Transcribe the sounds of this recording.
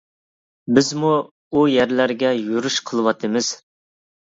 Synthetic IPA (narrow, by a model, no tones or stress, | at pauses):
bɪzmu | ujæɾlæɾɡʲɛjuɾuʃqʰəlˠɨwɑt̪ʰɨmɨz̥